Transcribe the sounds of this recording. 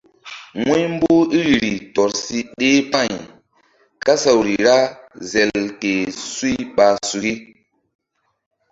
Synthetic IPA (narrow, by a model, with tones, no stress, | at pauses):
ŋu˦jm˦bo˦i˦ɾi˨ɾi˨tɔ˨ɾsi˦ɗe˦pã˦˨ɲ | ka˦sa˨wɾi˨ɾa˦zɛ˨lke˨su˦i˦ɓa˨su˨ki˦